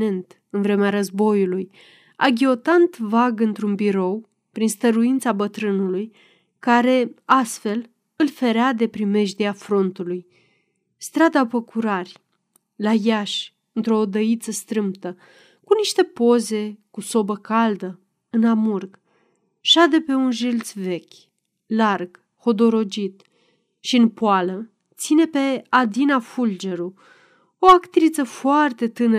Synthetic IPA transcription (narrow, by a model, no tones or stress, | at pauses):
e̞nt̪ | ɨnvɾe̞meaɾəzbo̞juluj | a̰ɡʲio̞t̪ant̪vaɡɨnt̪ɾunbiɾo̞w | pɾinst̪əɾuint̪sabət̪ɾɨnuluj | kaɾe̞ast̪fe̞l | ɨlfe̞ɾead̪e̞pɾime̞ʒd̪eafɾo̞nt̪uluj | st̪ɾad̪apəkuɾarʲ | lajaʃ | ɨnt̪ɾo̞ːd̪əit̪səst̪ɾɨmpt̪ə | kuniʃt̪e̞po̞ze̞kuso̞bəkald̪ə | ɨnamurɡ | ʃad̪e̞pe̞unʒilt̪sve̞kʲ | larɡ̥ | ho̞d̪o̞ɾo̞d͡ʒit̪ | ʃiɨnpoalə | t̪sine̞pe̞ad̪inafuld͡ʒe̞ɾu | oakt̪ɾit̪səfoart̪e̞t̪ɨnə